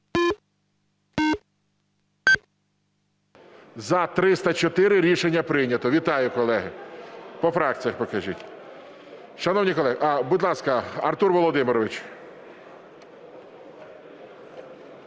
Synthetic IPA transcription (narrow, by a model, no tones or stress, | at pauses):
zɐt̪ɾɪst̪ɐt͡ʃɔt̪ɪɾɪɾʲiʃenʲːɐpɾɪnʲɐt̪ɔʋʲit̪ɑjʊkɔlˠɛɦɪpɔfɾɑk̚t͡sʲijɐxpɔkɐʒḭtʲ | ʃɐnɔwnʲikɔlˠɛɦʔɐbud̪ʲlˠɑskɐɐrt̪urʋɔlˠɔd̪ɪmɪɾɔʋɪt͡ʃ